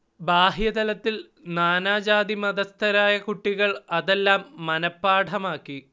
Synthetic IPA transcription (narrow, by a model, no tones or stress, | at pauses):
baːɦjɐd̪ɐlɐt̪ːil | naːnaːd͡ʑaːd̪imɐðɐst̪ʰɐɾaːjɐkuʈːiɣɐɭɐðe̞lːaːmːɐnɐpːaːʈʰɐmaːkːi